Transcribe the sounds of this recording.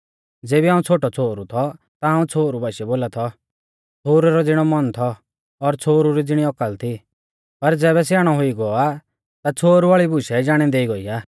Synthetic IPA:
d͡zeːbiɦãːũt͡sʰoːʈɔt͡sʰoːɾut̪ʰɔ | t̪aaːũt͡sʰoːɾubʱaːʃɛboːlat̪ʰɔ | t͡sʰoːɾɛɾɔd͡zɪɽ̃ɔmɔnt̪ʰɔː | ɾt͡sʰoːɾuɾid͡zɪɽ̃iɔkəlt̪ʰi | pɐɾd͡zɛːβɛs̬jaːɽ̃ɔɦʊiɡɔa | t̪at͡sʰoːɾuʋaːɭibʊʃɛd͡ʒaːɽ̃ĩd̪eːiɡɔiaː

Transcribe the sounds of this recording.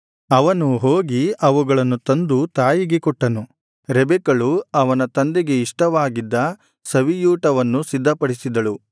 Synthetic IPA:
ɐʋɐnuɦoːɡiɐʋuɡɐɭɐnːut̪ɐnd̪ut̪aːjiɡekɔʈːɐnu | ɾɛbɛkɐɭuɐʋɐnɐt̪ɐnd̪eɡe̞iʂʈɐʋaːɡid̪ːɐ | sɐʋijuːʈɐʋɐnːusid̪ʱːɐpɐɽisid̪ɐɭu

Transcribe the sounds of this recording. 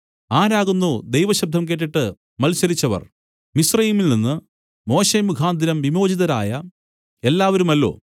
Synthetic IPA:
aːɾaːɣunːud̪ejʋɐɕɐb̚d̪ʱɐmk̬e̞ːʈ̬ːiʈːɨ | mɐlsɐɾit͡ɕːɐʋɐ̰r | misrɐjiːmilninːɨ | mo̞ːɕemuɡʱaːnd̪ʱinɐmʋimo̞ːd͡ʑiðɐɾaːjɐ | e̞lːaːʋɐɾumɐlːo̞̰ː

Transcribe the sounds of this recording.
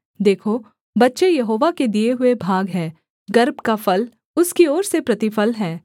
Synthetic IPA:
d̪eːkʰo | bɐtːʃejɐɦoːʋaked̪ieɦʊebʱaːɡɦɛː | ɡɐɾbkafɐl | ʊskiɔːɾsepɾɐt̪ɪfəlɦɛː

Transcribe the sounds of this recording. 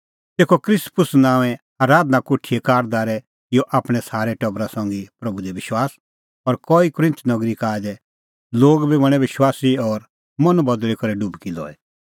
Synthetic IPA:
t̪eːkokɾɪspʊsnãːʋɛ̃ | aːɾaːd̪nakoːʈʰiekaːɾd̪aːɾɛ | joʔaːpɽ̃ɛsaːɾɛʈɐbɾasɐ̃ŋɡipɾɐbud̪ɛʋɪʃwaːs | ɔɾkɔːikʊɾɪ̃nt̪ʰnɐɡɾikaːd͡ʒɛ | loːɡbibɐɽ̃ɛʋɪʃwaːsiɔːɾ | mɐ̃nbɐd̪lɛkɐɾɛɖubkilɔ̰ːɛ

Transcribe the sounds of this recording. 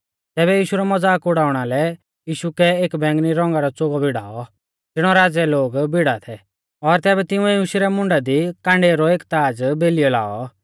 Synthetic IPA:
t̪ɛːbɛjiːʃuɾɔmɔd͡zaːkʊɽaːʊɽ̃alɛ | jiːʃukɛeːkbɛ̃ːŋɡniɾɔ̃ŋɡaɾɔt͡soːɡɔbʱɪɽ̤a̰ːɔ | d͡zɪɽ̃ɔɾaːd͡zɛloːɡbɪɽat̪ʰɛ | ɔɾt̪ɛːbɛt̪ɪũɛjuʃiɾɛmʊ̃ɳɖad̪ikãːɳɖeːɾɔeːkt̪aːd͡zbeːlijɔla̰ːɔ

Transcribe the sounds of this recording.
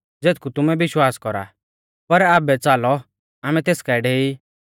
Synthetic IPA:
d͡zeːt̪̚kut̪ʊmɛbɪʃwaːskɔɾa̰ | pɐɾaːbɛt͡saːlɔ | aːmɛt̪eːskaɪɖɛiː

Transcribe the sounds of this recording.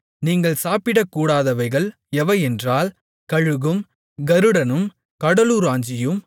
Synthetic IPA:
niːŋɡɐɭsaːpɪɽɐkːuːɽaːðɐʋɐɪɣɐɭ | ɛʋɐɪɛndraːl | kɐɻɯɣɯm | ɡɐɾɯɽɐnɯm | kɐɽɐluːɾaːɲd͡ʒɪjɯm

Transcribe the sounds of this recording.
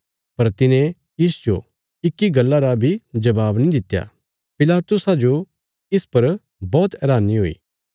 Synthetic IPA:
pɐɾt̪ɪnẽ | jiːsd͡ʒo̰ | ɪkːiɡɐlːaɾabʱid͡ʒɐbaːbnĩd̪ɪt̪ːja̰ | pɪlaːt̪ʊsad͡ʒo | ɪspɐɾ | bɔːt̪ɛɾaːniɦo̰ːḭː

